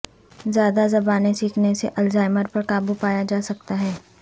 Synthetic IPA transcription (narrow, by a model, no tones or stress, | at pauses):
zjaːd̪azɐbaːnesiːkʰnesḛʔɐlzaːɪməɾpɐɾkaːbupaːjad͡ʒaːsɐk̚t̪aɦɛː